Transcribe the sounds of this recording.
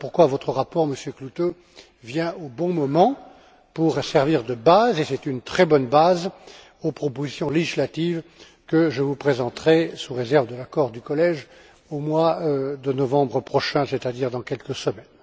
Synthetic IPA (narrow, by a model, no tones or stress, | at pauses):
puʁkwavɔt̪χəʁapɔʁməsjøklut̪o | vjɛ̃obɔ̃mɔmɑ̃ | puʁsɛʁviʁd̪əbazesɛt̪ynt̪χɛbɔnbaz | opχɔpozisjɔ̃leʒislat̪iv | kəʒəvupχezɑ̃t̪χɛsuʁezɛʁvd̪əlakɔʁd̪ykɔlɛʒ | omwad̪ənɔvɑ̃bʁəpχɔʃɛ̃sɛt̪ad̪iʁd̪ɑ̃kʲɛlkəsəmɛn